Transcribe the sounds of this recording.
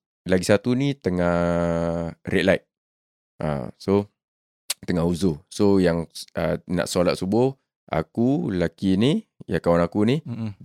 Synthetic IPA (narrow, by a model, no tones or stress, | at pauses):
laɡisat̪unit̪əŋah | rɛʔ̪̚lajt̪̚ | ʔa̰so | t̪əŋaɦuzʊhsojaŋəna̰ʔsalaʔ̪̚subʊ | a̰kulakinijakawanakuni